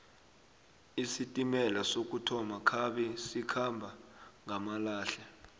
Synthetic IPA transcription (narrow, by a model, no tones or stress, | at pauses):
isitʼimɛlasok̬ʼutʰɔmakʰaɓɛsikʰambʱaŋʱamalaːɬa